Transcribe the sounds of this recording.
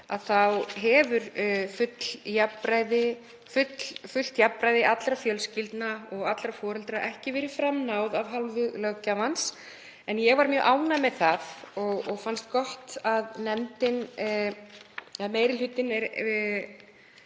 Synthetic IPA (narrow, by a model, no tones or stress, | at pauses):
aðθawɦɛvʏɾfʏt̪ljapːɾaːjðɪ | fʏt̪lfʏl̥t̪jappɾaːjðɪʔat̪lɾafjœlscɪlt̪naɔɣat̪lɾafɔːɾɛlt̪ɾaʔɛhcɪvɛːɾɪfɾamnawðavɦalvʏɣlœɣcavans | ɛnjɛɣvaɾmjœːʔaːwnamɛðθaðɔɣɔɣfanst̪kɔht̪aðnɛmt̪ɪn | ameːjɾɪlʏt̪ːɪnɛɾ